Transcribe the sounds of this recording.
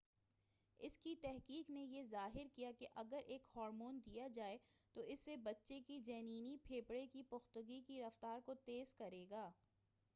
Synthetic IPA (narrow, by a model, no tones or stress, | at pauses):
ɪskit̪ɛɦkiːknejezaːɦɪɾkijakeʔɐɡəɾʔeːkhɔːɾmoːnd̪ijad͡ʒaːet̪oʔɪsːebɐtːʃekid͡ʒɛːniːnipʰeːpɽekipʊxt̪ʊɡikiɾɐft̪aːɾkot̪eːzkɐɾeːɡaː